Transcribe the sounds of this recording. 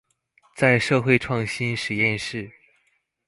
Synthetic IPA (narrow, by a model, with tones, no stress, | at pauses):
t͡sa˥˧ɪʂɤ˥˧xwe˥˧ɪʈ͡ʂʰwɑ˥˩ŋɕi˥nʂɻ̩˨˩jɛ˥˧nʂɻ̩˥˩